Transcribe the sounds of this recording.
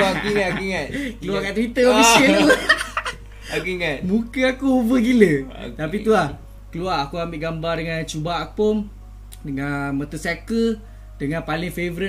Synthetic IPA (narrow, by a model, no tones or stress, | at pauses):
akuiŋakuiŋat̪kəluakaʔt̪wit̪əabisət̪u | akuiŋat̪̚mukəakuubəɡilət̪apiulah | kəluaakuambɪʔɡambardəŋãnt͡ʃubaakpon | dəŋamət̪əsakə | dəŋãnpalɪŋfevəɾə